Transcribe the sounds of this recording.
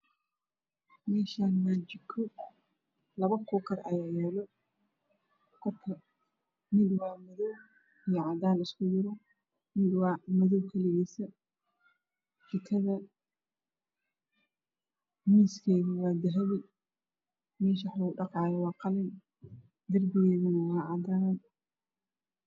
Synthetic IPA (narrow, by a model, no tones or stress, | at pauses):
mɛːʃaːnmaːd͡ʒɪkʰɔ | lɐβɐkʰɔːkʰɐrɐ̰jaːjɛːlɔ | kʰɔk̪ʰɐ | mɪd̪wɑːmɪðɔw | ijɞʕɑd̪aːnɪskʰʊjɪɾɔ | mɪd̪wɑmɪðɔwkʰɐlɪɣɛːsɐ | d̪ɪkʰɐðɐ | miːskʰɛːɣɪwɑːd̪ɪɦɐβɪ | mɛːʃ̬ɐħuːɖɑqɑːjɐwɑːqɑlɪn | d̪ɐrbɪɣɛːɣʊnɐwɑːʕɑd̪aːn